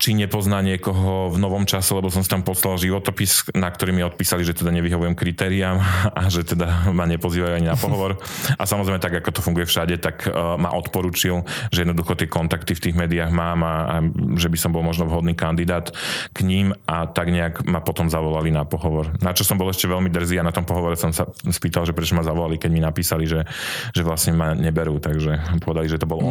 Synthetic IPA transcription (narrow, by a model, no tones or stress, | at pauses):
t͡ʃiɲɛpɔznaːɲɪɛkɔɦɔvnɔʋɔmt͡ʃasɛlɛbɔsɔmsi̥t̪ampɔslalʒiʋɔt̪ɔpisnak̚t̪ɔɾiːmiɔt̪̚piːsaliʒɛt̪ɛd̪aɲɛʋiɦɔʋujɛmkɾit̪ɛːɾiaːmaʒɛt̪ɛd̪amaɲɛpɔziːʋajuaɲinapɔɦɔʋɔɾʔasamɔzɾɛjmɛt̪aɡakɔt̪ɔfuŋɡujɛfʃaɟɛt̪akma̰ʔɔt̪pɔɾuːt͡ʃilʒɛjɛd̪nɔd̪uxɔt̪ɪɛkɔnt̪akt̪ift̪iːɣmɛːd̪iaɣmaːmaaʒɛbisɔmbɔlˠmɔʒnɔʋɦɔd̪niːkand̪id̪aːt̪kɲimʔat̪aɡɲɛaɡmapɔt̪ɔmzaʋɔlalinapɔɦɔʋɔɾnat͡ʃɔsɔmbɔlɛʃcɛʋɛʎmid̪r̩ziːanat̪ɔmpɔɦɔʋɔɾɛsɔmsaspiːt̪alʒɛpɾɛt͡ʃɔmazaʋɔlalikɛɟminapiːsaliʒɛʒɛʋlasɲɛmaɲɛbɛɾuːt̪aɡʒɛpɔʋɛd̪aliʒɛt̪ɔbɔl